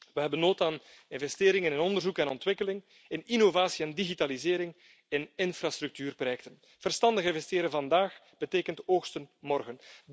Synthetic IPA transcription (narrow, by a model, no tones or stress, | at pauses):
ʋəɦɛbənːoːtaːnɪnvɛsteːɾɪŋənənɔndərzukɛnɔntwɪkəlɪŋ | ɪninovaːsiɛndiɣitaːlizeːɾɪŋ | ɪnɪnfɾaːst̪ɾɵk̚tyːrprojɛk̚tən | v̥ərstɑndəɣɪnvɛsteːɾəvɑndaːx | b̥əteːkəntoːxstənmɔrɣən